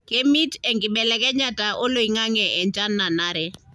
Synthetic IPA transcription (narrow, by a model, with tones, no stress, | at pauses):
ke˦mi˦tɛ˨ŋɡɪ˨ɓɛ˨lɛ˨kɛ˦ɲa˨ta˨ʔo˦lo˨i˨ŋa˦ŋɛ˨ʔɛ˨ɲd͡ʒa˦nːa˨na˦ɾɛ˦